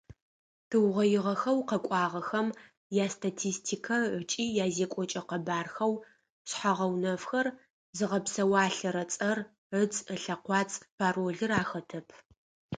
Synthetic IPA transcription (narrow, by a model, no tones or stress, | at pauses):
tʰɨwʁɐjɪʁɐxɐwqɐkʷʼɑːʁɐxɐm | jaːstʰatʰiːstʰiːkʰɐʕʷət͡ʃʼiːjaːzeːkʷʼɔt͡ʃʼɐqɐbaːrxɐw | ɕħaʁɐwnɐfxɐr | zɨʁɐpsɐwaːɬɐɾɐt͡sʼɐr | ʕət͡səɬɐqʷɑːt͡sʼpʰaːroːɮɨraːxɐtʰɐpʰ